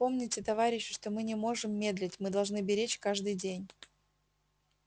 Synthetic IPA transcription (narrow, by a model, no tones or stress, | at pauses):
po̞mnʲɪtʲɪt̪ɐvaɾʲɪɕːʊ̥ʂt̪o̞mɨnʲɪmo̞ʐɨmːʲe̞d̪lʲɪtʲmɨd̪ɐlˠʐnɨbʲɪɾʲet͡ɕkaʐd̪ɨjdʲenʲ